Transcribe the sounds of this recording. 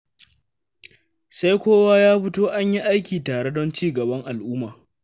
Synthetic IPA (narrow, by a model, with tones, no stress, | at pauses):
sa˦jkʷoː˦waː˦jaː˦ɸɪ˦toː˦ʔa˦ɲji˦ʔa˦jkʲiː˨taː˨ɽe˦dɔ˦nt͡ʃiː˦ɡɐ˨bɐ˦ŋʔa˨lʔʊː˦maː˨